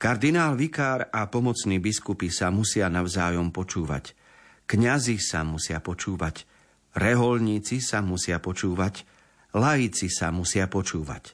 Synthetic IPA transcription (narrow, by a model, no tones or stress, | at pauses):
kaɾd̪inaːlʋikaːɾapɔmɔt͡sniːbiskupisamusɪanaʊzaːjɔmpɔt͡ʃuːʋa̰c | kɲazisamusɪapɔt͡ʃuːʋac | ɾɛɦɔlɲiːt͡sisamusɪapɔt͡ʃuːʋac | lajit͡sisa̰musɪapɔt͡ʃuːʋa̰c